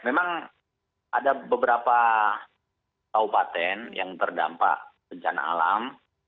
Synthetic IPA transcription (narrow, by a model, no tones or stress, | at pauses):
memaŋ | ʔadabəbəɾapa | t̪aupat̪ɛnjaŋt̪ərda̰mpa̰ʔsəd͡ʒa̰na̰lam